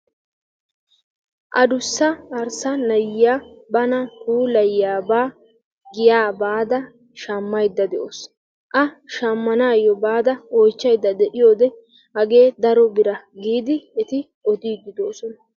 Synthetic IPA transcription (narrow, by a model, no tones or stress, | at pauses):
ʔɐd̪ʊsːɐɐɾsɐnɐjːaːbɐnɐkuːlɐjːaːbaː | ɡɪjaːbaːd̪ɐ | ʃɐmːɐjd̪ːɐd̪ɛʔos | ʔɐʃɐmːɐnaːjɔbaːd̪ɐɔjt͡ʃːɐjd̪ːɐd̪ɛʔɪjo̞ːd̪ɛ | hɐɡe̞ːd̪ɐɾɔbɪɾɐɡiːd̪ɪɛt̪ɪ | ɔd̪iːɡ̪ɪd̪o̞ːsɔnɐ